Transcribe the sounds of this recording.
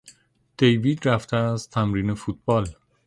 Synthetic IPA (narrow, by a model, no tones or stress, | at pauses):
d̪̥e̞jviːd̪ɾæft̪ʰeæzt̪ʰæmɾiːnefuːt̪̚ʰb̥ɒːl